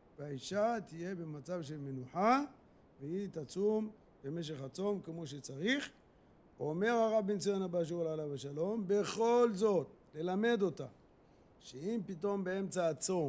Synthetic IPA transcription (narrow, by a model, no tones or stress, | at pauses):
veaiʃat̪ije̞be̞mat͡savʃ̬e̞lme̞nuħa | vehit̪at͡sum | be̞me̞ʃ̬e̞χat͡so̞mkemo̞ʃet͡saʁiχ | ome̞ʁhaʁabint͡sienabaʃ̬uʁalalavaʃalo̞mbe̞χo̞lzo̞t̪̚ | le̞lame̞d̪o̞ta | ʃeimpito̞mbee̞mt͡saːt͡so̞